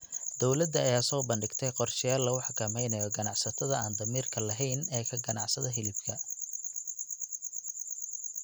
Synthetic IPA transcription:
d̪ɔwlɐd̪ɐːjaːsɔːbɐnɖɪɡt̪ʰɛjqɔrʃɪjaːlːɐʊħɑkʰɐmɛjnɐjɔɡɐnɑʕsɐt̪ʰɐðɐaːnd̪ɐmiːrkʰɐlɐɦɛjnɛːkʰɐɡɐnɑʕsɐðɐɦɪlɪb̚kʰɐ

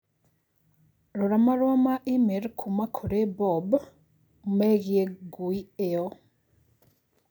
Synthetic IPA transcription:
ɾuɾamaɾwamaʔimeɾkʰumakʰuɾebob | meɣjeɡuieo

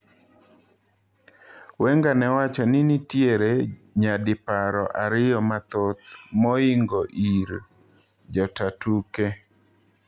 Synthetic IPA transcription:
wɛŋɡanɛwat͡ʃɔnɪnitjeɾeɲadɪpaɾɔʔaɾɪjɔmat̪ot̪mɔɪŋɡɔʔiɾ | d͡ʒɔtatuke

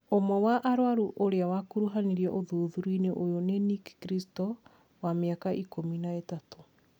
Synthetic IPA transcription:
omɔwaʔaɾwaɾuʔoɾeawakuɾuɦaniɾiɛʔoðoðuɾwineʔojonenikkɾistɔ | wameakaʔikominaetato̥

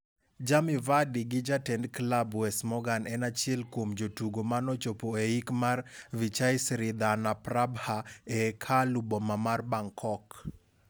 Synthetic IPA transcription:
d͡ʒamɪvadiɡɪd͡ʒatɛndklabwɛsmɔɡanɛnat͡ʃɪɛlkwomd͡ʒotuɡomanɔt͡ʃopoeikmarvit͡ʃaɪsɾɪd̪anaprabhaekʰalubɔmamarbaŋkʰɔk

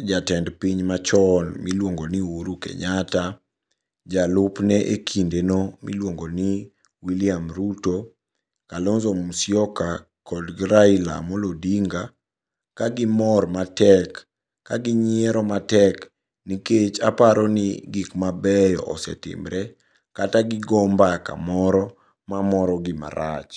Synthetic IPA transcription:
d͡ʒatɛndpiɲmat͡ʃɔnmilwoŋɡoniuɾukɛ̰ɲata | d͡ʒalʊpnɛʔekʰindenomḭlwoŋɡoni | wiliamɾuto | kalɔnzɔmusjɔka | kɔdɡɾaila̰mɔlodiŋɡa | kaɡɪmɔrmatɛkː | aɡɪɲɪɛɾɔmatɛk | niket͡ʃapaɾɔnɪ̰ɡikmabɛjɔ̰ʔɔ̰sɛ̰tɪ̰mɾɛ | kataɡɪɡɔmbaka̰mɔɾɔ | mamɔɾɔɡɪma̰ɾat͡ʃ

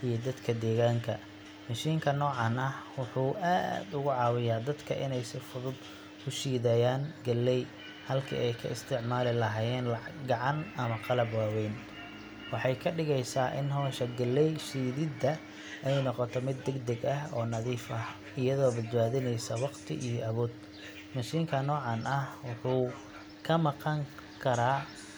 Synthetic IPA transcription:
ʔijɞd̪ɐd̪kʰɐd̪ɛːɣaːŋkʰɐ̰ | mɐʃiːŋkʰɐnɔːʕɑnɐwʊħuːʔa̰ːd̪ʊɣʊʕɑːwɪjaːd̪ɐd̪kʰɐʔɪ̰nɛjsɪfʊðʊd̪ | kʰʊʃiːðɐjaːŋɡɐlːɛj | hɐlkʰḭːʔɛjkʰɐ̰ɪst̪ʰɪʕmaːlɪlɐɦaːjɛːnlɡɑʕɑnɐmɐqɑlɐbwaːwɛjn | wɑħɑjkʰɐɖɪɣɛjsaːʔɪ̰nɦɔːʃɐɡɐlːɛjʃiːðɪd̪ːɐ | ʔɛjnɔqɔt̪ʰɔmɪd̪ːɛɡd̪ɐɡɐɦɔːnɐðiːfɐh | ɪjɐðɔːbɐd̪baːðɪnɛjsɐwɑqt̪ʰɪ̰ʔijɔʔɐβɔːd̪ | mɐʃiːŋkʰɐnɔːʕɑnɐhwʊħuː | kʰɐmɑqɑŋ | kʰɐɾaː

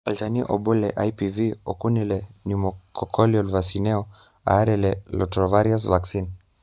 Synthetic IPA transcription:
altaniʔɔbɔlɛʔajpiviɔkunilɛnimɔkɔkʰɔliɔlvasinɛɔ | a̰aɾɛlɛlɔtɾɔvaɾias̬vaksin

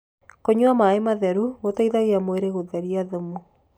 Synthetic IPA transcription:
koɲwamaemaðɛɾuɣotaiðaɣeamweɾeɣoðɛɾiaðomu

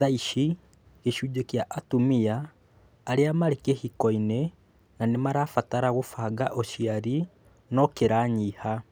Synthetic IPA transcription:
aiʃi | keʃud͡ʒekjaʔatumiaː | ɾeamaɾekehikɔine | nanemaɾaːfataɾaɣofaɡaʔoʃiaɾi | nɔkeɾaːɲiha

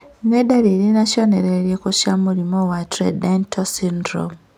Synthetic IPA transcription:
nwedaɾiɾinaʃjoneɾeɾjekoʃjamuɾimowatɾḛdentosindɾo̰m

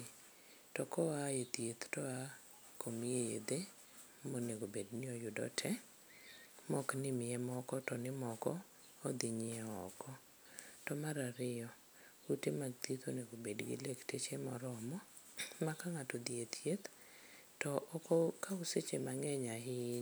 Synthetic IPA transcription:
tɔkɔaet̪jet̪tɔa | kʰomiejḛd̪e | moneɡobednɪɔjʊdɔ̰tʰɛ | mɔknɪmɪɛmɔkɔtɔnɪmɔkɔ̰ː | d̪ɪɲɪɛɔ̰kɔ | tɔmaɾaɾɪɔ | utemaɡt̪it̪o̰neɡobedɡɪ̰lektet͡ʃemɔɾɔmɔ | makaŋatod̪iet̪jet̪ | tɔʔɔkɔkauset͡ʃemaŋɛɲaɦɪ

